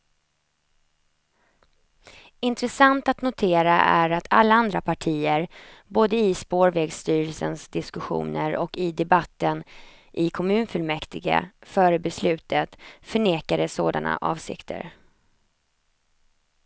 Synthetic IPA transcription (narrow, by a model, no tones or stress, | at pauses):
ɪnt̪ɾɛsant̪at̪nʊt̪ʰeːɾaʔæɾat̪ʰa̰lːaand̪ɾapʰaʈʰiːəɾboːd̪əɪspoːɾvɛːɡst̪yːɾəlsənsd̪ɪskɵɧṵːnəɾɔkɪd̪ɛbat̪ːənʔɪkʰɔmʉ̟ːnfɵlmɛkt̪ɪɡa̰fœːɾəbɛslʉ̟ːt̪ʰət̪fœɳeːkad̪əso̰ːd̪a̰nʔa̰ʔɑ̰ːvsɪ̰kt̪ʰə̰ɾ